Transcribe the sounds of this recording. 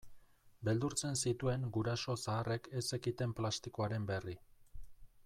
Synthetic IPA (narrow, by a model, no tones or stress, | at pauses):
be̞ld̪uɾt͡se̞nsit̪ue̞ŋɡuɾaso̞saːre̞ke̞se̞kit̪e̞mplast̪ikoaɾe̞mbe̞ri